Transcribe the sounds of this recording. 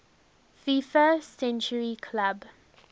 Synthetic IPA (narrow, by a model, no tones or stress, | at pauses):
fifəsɛ̃nt͡ʃəɹikʰlab